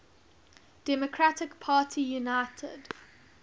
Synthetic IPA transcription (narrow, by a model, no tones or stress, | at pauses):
d̥ɛmɔkʰɹatɪkpʰaːtʰijunaɪtʰə̰d